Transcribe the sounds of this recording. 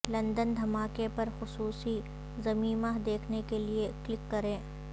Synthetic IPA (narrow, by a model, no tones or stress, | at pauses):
lɐ̃nd̪ənd̪ʱɐmaːkepɐɾxʊsuːsi | zɐmiːmaɦd̪eːkʰnekelieklɪkːɐɾẽː